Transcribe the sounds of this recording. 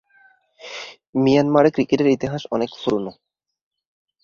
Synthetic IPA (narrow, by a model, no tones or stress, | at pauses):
mijanmaɾekɾikeʈeɾit̪iɦaʃɔnekfoɾuno